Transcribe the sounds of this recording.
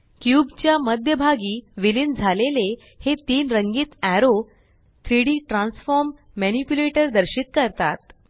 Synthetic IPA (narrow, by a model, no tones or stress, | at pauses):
kjubt͡ɕjaməd̪ʱjəbʱaɡiːʋilind͡zʱalele | het̪iːnɾəŋɡiːt̪æɾo | t̪ʰɾiɽiːʈɾãnsfɔɾmː | ænipjuleʈəɾd̪əɾɕit̪̚kəɾt̪a̰t̪̚